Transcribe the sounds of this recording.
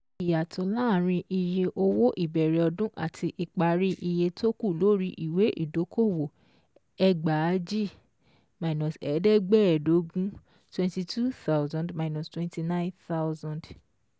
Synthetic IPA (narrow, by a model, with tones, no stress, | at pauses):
i˨ja˨tʰo˧˦la˦˨ɾ̃ĩ˧ʔi˧je˧ʔo˧wo˦ʔi˦˨bɛ˨ɾɛ˨ɔ˧dũ˦ʔa̰˦˨tʰi˧ʔi˨k͡pa˨˦ɾi˦ʔi˧je˧to˦ku˦˨lo˨˦ɾi˧˦ʔi˨we˨˦ʔḭ˦˨do˨˦kʰo˦˨wo˨ | ɛ˧ɡ͡ba˨˦d͡ʒi˦˨ | ma˧inɔ̃˨sɛ˨˦dɛ˦ɡ͡bɛ˦˨do˨˦ɡũ˦ | twɛ̃˦nti˧tʰu˦θa˦wzã˨ndma˨˧inɔ˨stwɛ̃˦nti˧nã˦j̃nθa˦wzã˨nd